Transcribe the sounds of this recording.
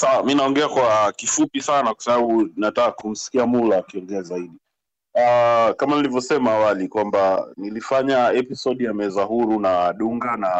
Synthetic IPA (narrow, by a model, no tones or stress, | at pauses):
sawaminaɔŋɡɛakwakifupisanakwḁsaɓaɓunatakakum̩si̥kiamulakiɔŋɡɛazaiɗi | akamanilivjɔsɛmaːwalikwambanilifaɲaɛpisɔɗjamɛzahuɾunaːɗuŋɡana